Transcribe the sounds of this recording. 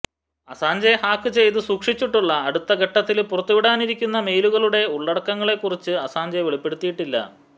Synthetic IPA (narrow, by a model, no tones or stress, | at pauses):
ɐsaːɲd͡ʑɐjhaːkːɨt͡ɕe̞jt̪ɨsuːkʂit͡ɕːiʈːuɭːɐːɽut̪ːɐɡʱeʈːɐt̪ːilpurɐt̪ːuʋiɽaːniɾikʲːunːɐme̞ːluɣɐɭuɽe̞uɭːɐɽɐkːɐŋːɐɭe̞kːurit͡ɕːɨɐsaːɲd͡ʑɐjʋeɭipːe̞ɽut̪ːijiʈːilːɐ̰